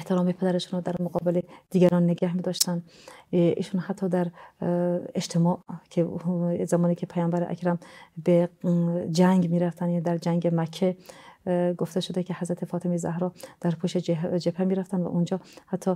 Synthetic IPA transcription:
eht̪ʰeɾɒːmepʰed̪æɾeʃunɾɔd̪æɾmoɡɒːbeled̪̥iːɡæɾɒnːeɡæhmid̪ɒːʃt̪ænd̪ | ʔḭːʃunhæt̪ʰːɒːd̪æɾ | ed͡ʒt̪ʰemɒːʔkʰezæmɒːniːkʰepʰæjɒːmbæɾeʔæ̰kʰɾæmbe | d͡ʒæŋɡmiɾæft̪ænd̪æɾd͡ʒæŋɡemækʰːe | ɡoft̪eʃod̪ekʲʰehæzɾæt̪ʰefɒːt̪ʰemezæ̰hɾɒːd̪̥æɾpʰuʃed͡ʒd͡ʒepʰemiɾæft̪ʰænd̪væ̰ʔund͡ʒɒːhæt̪ʰːɒ

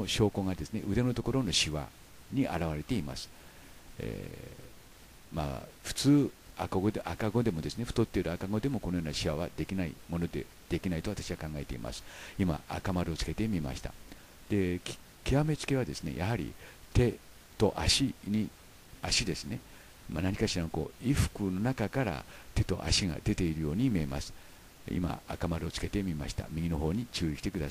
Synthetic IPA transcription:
onoɕo̞ːko̞ŋad̪e̞sɨne̞̰ʔɯ̟d̪e̞not̪o̞ko̞ɾo̞noɕiβa̰ | ɲ̟iʔa̰ɾaβaɾe̞t̪e̞ima̰sɨ̥ | ḛ | ma̰ːɸɯ̥t͡sɨːa̰koɡod̪eʔakaɡo̞d̪e̞mo̞d̪e̞sɨne̞ɸɯ̥t̪o̞t̪ːeɾɯ̟akaɡo̞d̪e̞mo̞konojoːnaɕiβaβad̪ekʲinaḭmo̞no̞d̪e̞̰ | d̪̥e̞kʲinait̪o̞βat̪aɕiβakãŋɡae̞t̪e̞ḭmʔa̰sɨ̥ima̰a̰kamaɾɯo̞t͡sɨ̥ke̞t̪e̞mʲima̰ɕi̥t̪a̰ | d̪̥e̞ | kʲiame̞t͡sɨ̥ke̞βad̪e̞sɨne̞̰jʔahaɾʲḭt̪e̞ | t̪o̞ʔaɕiɲ̟i | aɕid̪e̞sɨne̞ | manaɲ̟ikaɕiɾanoko̞̰ːiɸɯ̥kɯ̟no̞nakakaɾa̰t̪e̞t̪o̞ʔa̰ɕiɡa̰d̪e̞t̪e̞iɾɯ̟jo̞ːɲ̟imʲiema̰sɨ̥ | ḭma̰a̰kamaɾɯot͡sɨ̥ke̞t̪e̞mʲimaɕi̥t̪a̰mʲiɡʲino̞ɦo̞ːɲ̟it͡ɕɨːiki̥t̪e̞kɯ̟d̪a̰sa

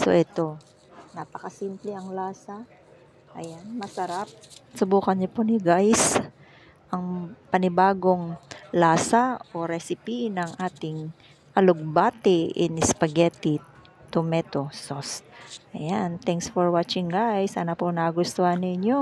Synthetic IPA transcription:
so̰ʔɛt̪o̞ | naːpɐkɐsimplɛʔɐŋlaːsa | ʔɐ̰janmɐsɐɾap̚sʊbuːkɐnɲoponɪɡajs | ʔɐŋpɐnɪbaːɡo̞ŋlaːsaʔo̞ɾɛsɪpinɐŋʔaːt̪ɪŋ | ʔɐloɡ̚baːt̪ɪʔɪ̰nɪspɐɡɛt̪i | t̪ʊmɛt̪osost̪̚ʔɐjant̪ɛŋksfoɹwat͡ʃɪŋɡajsʔɐnaponɐɡʊst̪ohɐnːɪɲo

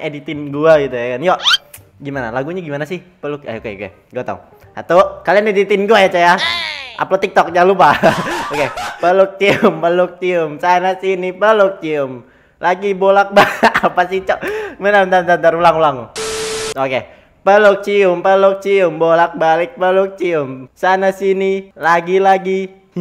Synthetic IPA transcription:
edit̪ɪnɡuaɡit̪ujakanjɔ | ɡimana̰laɡuɲaɡimanasɪh | pəlʊk̚a̰okḛo̰kḛ | ɡuat̪a̰ | at̪okalianedit̪ɪnɡuajat͡ʃajaa̰plot̪ik̚t̪ɔk̚ɲalupaokepəlʊk̚t͡ʃiʊmpəlʊk̚t͡ʃiʊmsanasinipəlʊk̚t͡ʃiʊm | lʔaɡibolak̚baapasit͡ʃɔmənamd̪and̪ant̪aɾulaŋulaŋu | oke | pəlʊk̚t͡ʃiʊmpəlʊk̚t͡ʃiʊmbolak̚balɪk̚pəlʊk̚t͡ʃiʊmsanasinilaɡilaɡi

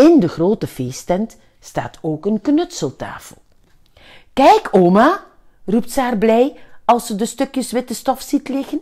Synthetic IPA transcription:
ɪndəχroːtəv̥eːstɛnt | sta̰ːtoːkənknɵtsəlˠta̰ːfəlˠ | kɛjkʰoːma | rup̚tsaːrblɛjɑlˠsədəstɵkjəsʋɪtəstɔfsitlɪxən

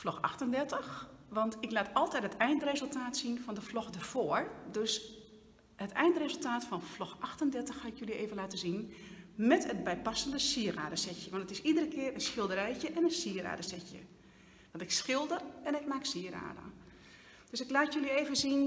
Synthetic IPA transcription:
flɔxa̰xtəndɛrtəxʋɑntɪklaːtɔlˠtɛjtɦətɛjndərezəlˠtʰaːtsinfɔndəflɔxdarv̥oəɹdøs | hətɛjndərezəlˠtaːtfɔnflɔxʔaxtəndɛrtəxhaɪkjølieːvənlaːtəzinmɛtət̚bɛjpasəndəsiəɾa̰ːdəsɛtjəʋɔntətɪsidərəkʰɪəɾənsxɪlˠdəɾɛjcəʔɛnənsiəɾa̰ːdəsɛtjə̰ | ʋɔntɪksxɪlˠdərɛnɛk̚maːksiəɾa̰ːdə̰ | d̥øsɪklaːtjølieːvənzin

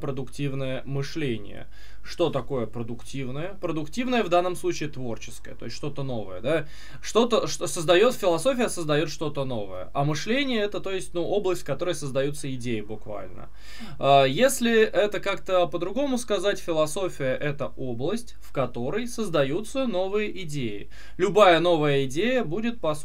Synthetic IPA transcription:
pɾəd̪ʊktʲivnəjəmɨʂlʲenʲɪ̰jə̰ | ʂt̪o̞t̪ɐko̞jəpɾəd̪ʊktʲivnəjəpɾəd̪ʊktʲivnəjəvd̪anːəmsˠut͡ɕɪːt̪vo̞rt͡ɕɪ̥skə̰jə̰t̪o̞ɪsʲt̪ːʂt̪o̞t̪əno̞vəjəd̪a | ʂt̪o̞t̪əʂt̪osəzd̪ɐjo̞t̪fʲɪlˠɐso̞fʲɪjəsəzd̪ɐjo̞t̪ʂt̪o̞t̪əno̞və̰jə̰ʔamɨʂlʲenʲɪjəɛt̪ət̪o̞jɪsʲtʲnuʔo̞blˠəsʲtʲfʲkɐt̪o̞ɾəjəsəzd̪ɐjut̪səɪdʲejɪbʊkva̰lʲnə̰ | ajesʲlʲɪʔɛt̪əkakt̪əpəd̪ɾʊɡo̞mʊskɐzatʲfʲɪlˠɐso̞fʲɪjəʔɛt̪əʔo̞blˠəsʲtʲfkɐt̪o̞ɾəjsəzd̪ɐjut̪səno̞vɨjəʔɪdʲejɪ̰ | lʲʊbajəno̞vəjəɪdʲejəbudʲɪt̪̚pɐs

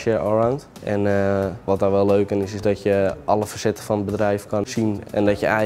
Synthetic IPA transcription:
ʃəɔɹawnt | ʔɛnəʋɔt̚daʋɛlˠløːkɪnɪsɪsdɔtjəʔɔləfəsɛtə̥fɔnəbədrɛjfkɔnsinɛ̰ndɔtjəɛ

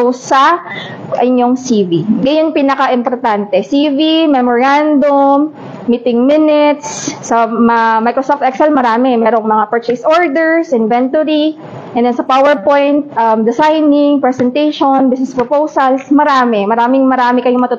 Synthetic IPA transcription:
osɐ | ʔɐɲjoŋsiːviɡɐjʊŋpinɐkaʔɪmpoɾt̪ant̪ɛsiːvimɛmoɹand̪omː | it̪ɪŋmɪnɪt̪sːɐmɐmajkɾosof̚t̪ʔɛksɛlmɐɾaːmɛmɛːɾo̞ŋmɐŋapɛɹt͡ʃɛsoɹd̪ɛɹsɪnvɛnt̪oɾi | ʔɛnd̪ɛnsɐpawɛɹpojnt̪̚ʔɐmd̪ɛsajnɪŋpɹɛsɛnt̪ɛjʃonbɪsnɛspɹopowsɐlsmɐɾaːmɛmɐɾaːmɪŋmɐɾaːmɪkɐjʊmɐt̪ʊt̪

